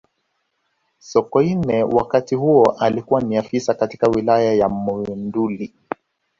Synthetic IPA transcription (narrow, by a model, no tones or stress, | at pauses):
sɔkɔinɛwakatihuɔʔalikuwaniafisakati̥kawilajajamuinduli